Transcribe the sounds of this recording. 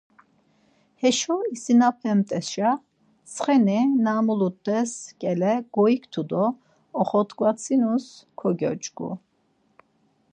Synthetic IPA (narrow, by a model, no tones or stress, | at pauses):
hɛʃɔisinapʰɛmt̪ʼɛsʃa | t͡sʰχɛnɛnamulut̪ːɛskʼɛlɛɡ̥ɔikʰt̪ʰud̪ɔː | χɔt̪ʰkvat͡sʰinuskʰɔɡɔ̰t͡ʃʼɡṵ